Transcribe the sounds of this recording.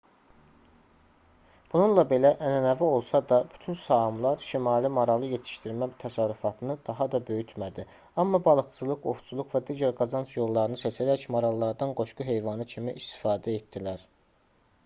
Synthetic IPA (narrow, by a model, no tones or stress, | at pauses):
b̥ununlˠɑbe̞læʔænænævio̞lˠsɑd̪ɑb̥y̥t̪ʰynsɑmlˠɑɾʃimɑːlimɑɾɑlˠɯje̞t̪ʰi̥ʃt̪iɾmæt̪ʰæsɑɾyfɑt̪ʰɯnɯd̪ɑɦɑd̪ɑbø̞jyt̪mæd̪i | ɑmːɑbɑlˠɯksɯzlˠɯkoxt͡ʃʰulˠukvæd̪iːɟæɾɡɑzɑnsjo̞lˠːɑɾɯnɯset͡ʃʰæd̪æcmoɾɑlˠːɑɾd̪ɑnɡo̞ʃkuɦe̞jvɑnɯcʰimiʔist̪i̥fɑːd̪æet̪d̪ilæɾ